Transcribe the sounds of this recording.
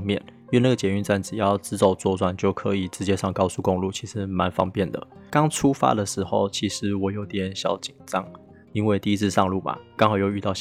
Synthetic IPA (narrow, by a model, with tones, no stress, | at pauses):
ŋmjɛ˥˩˨ny˥˧na˥˩ɡə˩t͡ɕjɛ˨˦y˥˧nt͡sa˥˩nt͡sɻ̩˨˩jɑ˥˨ʊt͡sɹ̩˥t͡so˥˩ʊt͡swɔ˥˧t͡swa˥˩nt͡ɕjo˥˩ʊkʰɤ˧˦i˨˩ʈ͡ʂɻ̩˧˥t͡ɕjɛ˥ʂɑ˥˧ŋkɑ˥ʊsu˥˧ko˥˧ŋlu˥˩t͡ɕʰi˧˥ʂɻ̩˧˥ma˧˦nfɑ̰˥ŋpjɛ˥˩nd̪ə̰˩kɑ˥ŋʈ͡ʂʰu˥fa̰˥d̪ə˨ʂɻ̩˧˥xo˥˧ʊt͡ɕʰi˧˥ʂɻ̩˧˥˦wɔ˨˩jo˧˥ʊt̪jɛ˨˩˦nɕjɑ˨˥˦ʊt͡ɕi˨˩ŋʈ͡ʂɑ˥ŋ | i˥nwe˥ɪt̪i˥˧i˦˥t͡sʰɹ̩˥˧sʂɑ˥˧ŋlu˥˩ma̰˨˩kɑ˥ŋhɑ˨˩ʊjo˥˧ʊy˥˧t̪ɑ˥˧ʊ